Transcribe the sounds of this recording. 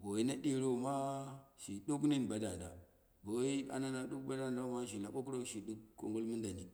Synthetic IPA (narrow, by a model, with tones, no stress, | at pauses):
bo˨i˦na˦ɗi˦ɾo˦˨ma˦ʃi˨ɗu˦k̬ni˦n˨ba˨da˨da˨ | bo˨wi˦a̰˦na˦na˨ɗu˦k̚ba˦da˦˨da˦ma˦ʃ̬i˨na˨ɓo˦k̬ɾo˦˨ʃi˨du˦kkːo̰˨ŋɡo˦lmu˦nda˨ni˨